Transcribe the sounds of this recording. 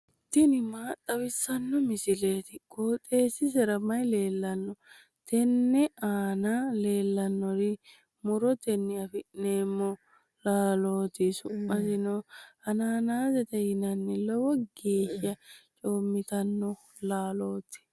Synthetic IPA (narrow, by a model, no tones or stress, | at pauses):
t̪ːɪnɪmaːt̪ʼːɐwɪsːɐnːɔmɪsɪle̞ːt̪ɪkʼoːt̪ʼe̞ːsɪsɛɾɐmɐjle̞ːlːɐnːɔ | t̪ɛnːɛʔaːnale̞ːlːɐnːɔɾɪ | mʊɾɔt̪ɛnːɪɐfɪʔːeːmːɔ | laːloːt̪ɪsʊmːɐsɪnɔhɐnaːnaːzɛt̪ɛhɪnɐnːɪlɔwɔɡeːʃɐt͡ʃʼo̞ːmːɪt̪ɐnːɔ | laːlo̞ːt̪ɪ̥